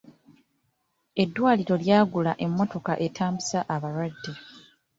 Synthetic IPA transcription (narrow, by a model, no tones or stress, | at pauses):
e̞dːwaːliɾo̞ljaːɡulaʔe̞mːo̞to̞kaʔe̞tʰaːmbisaʔaβaɾwadːe̞